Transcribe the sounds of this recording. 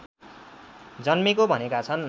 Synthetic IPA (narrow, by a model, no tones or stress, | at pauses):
d͡zʌnmekobʱʌnekat͡sʰʌn